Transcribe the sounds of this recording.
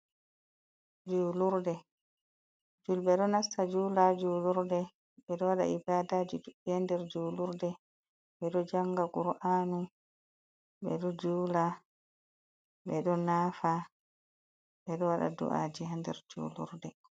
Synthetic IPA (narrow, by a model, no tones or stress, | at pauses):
d͡ʒuːluɾdɛ | d͡ʒulɓɛɗɔnastad͡ʒuːlad͡ʒuːluɾdɛ | ɓɛɗɔwaɗa̰ʔibadad͡ʒiduiandɛɾd͡ʒuːluɾdɛ | ɓɛɗɔd͡ʒaŋɡaɡuɾʔaːnu | ɓɛɗɔd͡ʒuːla | ɓɛɗɔnaːfa | ɓɛɗɔwaɗa̰dṵʔa̰d͡ʒihandɛ̰ɾd͡ʒṵːlṵɾdɛ